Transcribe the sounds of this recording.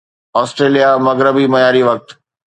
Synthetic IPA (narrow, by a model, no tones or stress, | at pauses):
ɔːsʈɾeːlijamɐɡɾəbimɐjaːɾiʋɐk̚t̪